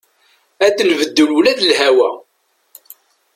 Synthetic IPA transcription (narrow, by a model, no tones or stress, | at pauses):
æθəlvəd̪ːəlulæðəlhæwæ